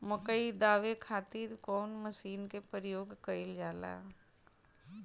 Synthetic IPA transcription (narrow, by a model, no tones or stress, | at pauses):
məkəid̪aːʋekʰaːt̪iːɾkɔːnməsiːnkepəɾjoːɡkəɪld͡ʒaːla̰ː